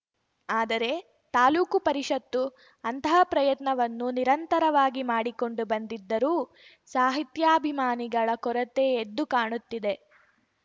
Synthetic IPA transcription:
aːd̪ɐɾe̞ | t̪aːluːkupɐɾiʂɐt̪ːu | ɐnt̪ɐɦɐpɾɐjɐt̪nɐʋɐnːuniɾɐnt̪ɐɾɐʋaːɡimaːɽiko̞ɳɖubɐnd̪id̪ːɐɾuː | saːɦit̪jaːɐbʱimaːniɡɐɭɐkɔɾɐt̪eːd̪ːukaːɳut̪ːid̪e̞

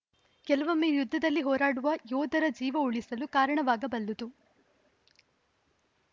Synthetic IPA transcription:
kɛlɐʋɐmejud̪ʱːɐd̪ɐlːiɦɔːɾaːɽuʋɐjɔːd̪ʱɐɾɐd͡ʒiːʋɐuɭisɐlukaːɾɐɳɐʋaːɡɐbɐlːut̪u

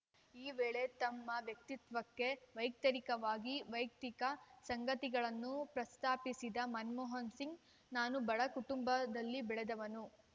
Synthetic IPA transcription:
iːʋeːɭe̞t̪ɐmːɐʋjɐk̚t̪it̪ʋɐkːe̞ʋɐjk̚t̪ɐɾikɐʋaːɡiʋɐjk̚t̪ikɐsɐŋɡɐt̪iɡɐɭɐnːupɾɐst̪aːpisid̪ɐmɐnmɔːɦɐnsiŋɡ | naːnubɐɭɐkuʈumbɐd̪ɐlːibɛɭed̪ɐʋɐnu

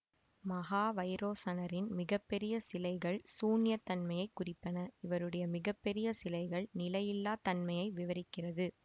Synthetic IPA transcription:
mɐɣaːʋɐɪɾoːsɐnɐɾɪnmɪɣɐpːɛɾɪjɐsɪlɐɪɣɐɭsuːnɪjɐt̪ɐnmɐjɐɪkːʊrɪpːɐnɐɪʋɐɾɯɽɐjɐmɪɣɐpːɛɾɪjɐsɪlɐɪɣɐɭnɪlɐjɪlːaːt̪ɐnmɐjɐɪʋɪʋɐɾɪkːɪrɐðɯ

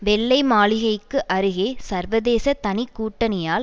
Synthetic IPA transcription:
ʋɛɭːɐɪmaːlɪɣɐɪkːɯʔɐɾɯɣeːsɐɾʋɐðeːsɐt̪ɐnɪkːuːʈːɐnɐjaːl

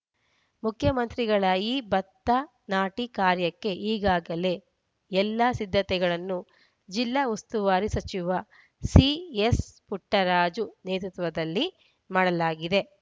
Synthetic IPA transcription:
mukʰjɐmɐnt̪ɾiɡɐɭajibɐt̪ːɐ | naːʈikaːɾjɐkːe̞ʔiːɡaːɡɐle̞ | ɛlːɐsid̪ʱːɐt̪ɛɡɐɭɐnːu | d͡ʒilːɐust̪uʋaːɾisɐt͡ʃiʋɐ | siespuʈːɐɾaːd͡ʒuneːt̪ut̪ʋɐd̪ɐlːi | maːɽɐlaːɡid̪e̞

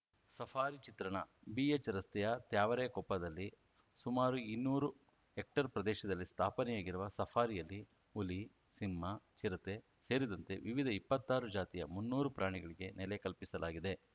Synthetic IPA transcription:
sɐpʰaːɾit͡ʃit̪ɾɐɳɐbiːet͡ʃɐɾɐst̪ɛjɐt̪jaːʋɐɾɛjɐkɔpːɐd̪ɐlːi | sumaːɾuinːuːɾu | ek̚ʈɐɾpɾɐd̪ɛːʃɐd̪ɐlːist̪ʰaːpɐnɛjaːɡiɾuʋɐsɐpʰaːɾijɐlːi | uli | simːɐt͡ʃiɾɐt̪e̞ | se̞ːɾid̪ɐnt̪e̞ʋiʋid̪ʱɐipːɐt̪ːaːɾud͡ʒaːt̪ijɐ̰munːuːɾupɾʔaːɳiɡɐɭiɡe̞nɛlekɐlpisɐlaːɡid̪e̞

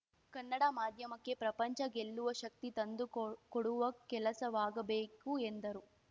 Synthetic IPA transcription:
kɐnːɐɽɐmaːd̪ʱjɐmɐkːe̞pɾɐpɐɲt͡ʃɐɡeɭːuʋɐʃɐk̚t̪it̪ɐnd̪ukoɽuʋɐkɛlɐsɐʋaːɡɐbeːkuend̪ɐɾu

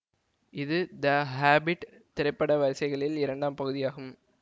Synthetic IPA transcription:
ɪðɯd̪ɐɦaːbɪʈ | t̪ɪɾɐɪpːɐɽɐʋɐɾsɐɪɣɐɭɪlɪɾɐɳɖaːmpɐɣɯðɪjaːɣɯm

